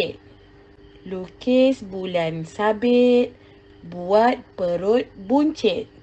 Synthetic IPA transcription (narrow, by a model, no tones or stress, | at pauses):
ɪt̪̚ | lukɪsbulansabɪt̪̚ | buat̪̚pəɾut̪̚buɲt͡ʃɪt̪̚